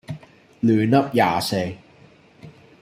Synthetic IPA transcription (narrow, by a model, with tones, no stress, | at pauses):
lyː˨nɐ˥p̚jaː˨˩se˧j